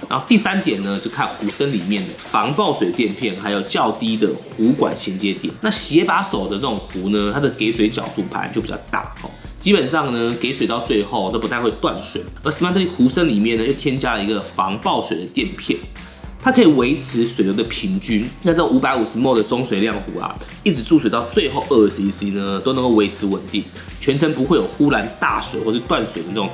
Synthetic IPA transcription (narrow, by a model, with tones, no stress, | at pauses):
na˧˥o˥˧t̪i˥˨sa˦˥nt̪jɛ˨˩nnə˩t͡ɕjo˥˧˩ʊkʰa˥˩nxu˧˥sə˦nli˨˩mjɛ˥˩nd̪ə˩fɑ˧˥ŋpɑ˥˩ʊswe˨˩ɪd̪ə˨˧t̪jɛ˥˧npʰjɛ˥˩nxa˧˥ɪjo˨˩ʊt͡ɕjɑ˥˨ʊt̪i˥d̪ə˨xu˨˥kwa̰˨˩nɕjɛ˧˥nt͡ɕjɛ˧˥t̪jɛ̰˨˩˦nna˥˩ɕi˧˨˥jɛ˥pa˧˥so˨˩ʊd̪ə˦t͡sə˥˩ʊ˨˩ŋxu˨˥nə˧t̪ʰa˥d̪ə˨˩ke˧˥ɪswe˧˥ɪt͡ɕjɑ̰˨˩ʊt̪ṵ˥˩pʰa̰˧˥nt͡ɕo˥˩pi˨˩t͡ɕʰʲa˥˧ʊt̪a̰˥˩ɔ̰˨˩ | t͡ɕi˥pə˨˩nʂɑ˥˩ŋnə˩ke˧˥ɪswe˨˩ɪt̪ɑ˥˧ʊt͡swe˥˧ɪxo˥˩ʊt̪o˥pu˧t̪a˥˧ɪwe˥˧ɪt̪wa̰˥˨nswḛ˨˩ɪə˞˧˥ʂ̩˨˩ma˧˥˩t̪ə˥˩i˨˩xu˧˥sə˦nli˨˩mjɛ˥˨˩nːə˩jo˥˩ʊt̪ʰjɛ˥nt͡ɕja˥lə˨i˧˥ɡə˨fɑ˧˦˥ŋpɑ˥˩ʊswe˨˩ɪd̪ə˩t̪jɛ˥˨npʰjɛ˥˩n | t̪ʰa˥kʰɤ˧˥i˨˩we˧˦˥ɪt͡s̩ʰ˧˥swe˨˩ɪjo˧˥d̪ə˨pʰi˧˥nt͡ɕy˦˥nna˥˧nt͡sʔu˧˥pa˧˥ɪu˨˩ʂɻ̩˧˦mo˥˩ʊd̪ə˩t͡sʊ˥ŋswe˨˩ɪljɑ˥˩ŋxu˧˥ɐ̰˨ | i˥˩t͡sɻ̩˧˩t͡su˥˩swe˨˩ɪt̪ɑ˥˧ʊt͡swe˥˧ɪxo˥˧ʊʔə˥˧˩si˧i˧˩si˧˥nə˦t̪o˥ʊnə˧˥ŋko˥˩we˧˥ɪt͡s̩ʰ˧˥wə˨˩nt̪i˥˩ŋ | t͡ɕʰɥɛ˧˥nt͡sʰə˧˥ŋpu˧˥xwe˥˩ɪjo˨˩ʊxu˥la˧˥nt̪a̰˥˩swe˨ɪxwʂɻ̩˥˧t̪wa˥˨nswe˨˩ɪd̪ə˦nə˥˩ʈ͡ʂʊ˨˩